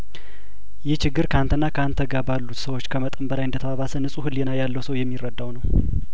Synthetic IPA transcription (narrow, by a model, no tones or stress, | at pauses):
jɛht͡ʃɪɡːɨɾkʰant̪ʰɨnːakʰəant̪ʰəɡabalːut̪səwot͡ʃːkʰəmət̪ʼəmbəlajɨnd̪ət̪ʰəβaβasənɨsʼuhɨlːenajalːəwsəwjɛmːirːəd̪ːawnəw